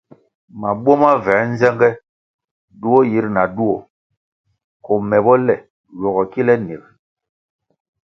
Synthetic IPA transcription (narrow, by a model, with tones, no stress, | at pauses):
ma˨bwɔ˦ma˦vɛː˨˦n̩˦zɛ˦ŋɡɛ˦ | du˦ɔ˦ji˨˦ɾna˨du˦ɔ˨ | kɔ˨mɛ˨bɔ˦lɛ˨ | jɔ˨ɣɔ˨ki˦lɛ˦ne˨b